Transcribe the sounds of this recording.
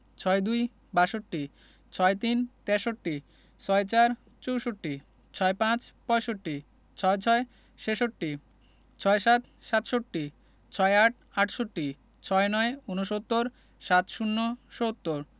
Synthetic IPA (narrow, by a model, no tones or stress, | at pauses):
t͡ɕʰɔed̪uj | baʃoʈːi | t͡ɕʰɔet̪int̪ɛɾʃoʈːi | t͡ɕʰɔet͡ɕaɾ | t͡ɕowʃoʈːi | t͡ɕʰɔepãt͡ɕpɔeʃoʈːi | t͡ɕʰɔet͡ɕʰɔe | ʃeʃoʈːi | t͡ɕʰɔeʃat̪ | ʃat̪ʃoʈːi | t͡ɕʰɔeaʈʰ | aʈʰʃoʈːi | t͡ɕʰɔenɔeunoʃot̪ːoɾ | ʃat̪ʃunːoʃot̪ːoɾ